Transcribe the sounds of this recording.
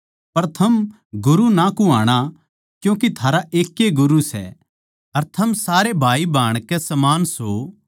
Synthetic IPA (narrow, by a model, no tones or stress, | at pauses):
pɐɾt̪ʰɐm | ɡʊɾunakuaːɽ̃a | kjũːk̬it̪ʰaːɾaʔeːkːeɡʊɾusɛ̰ | ɐɾt̪ʰɐmsaːɾebʱaːibʱaːɽ̃kɛsɐmaːnso